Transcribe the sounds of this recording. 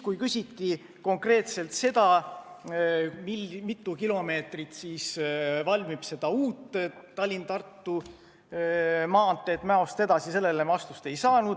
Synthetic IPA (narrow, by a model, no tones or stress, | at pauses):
kujkysʲit̪ːi | ko̞ŋkre̞ːt̪se̞lt̪se̞d̪̥ɑ | mimit̪ːˑukilo̞me̞ːt̪rit̪siːsvɑlʲmib̥se̞d̪̥ɑuːt̪ːt̪ːɑlʲːint̪ɑrt̪ːu | mɑːnt̪ːˑeːt̪ːˑmæo̞st̪e̞d̪̥ɑsise̞lːelemɑst̪ust̪e̞jsɑːnud̪̥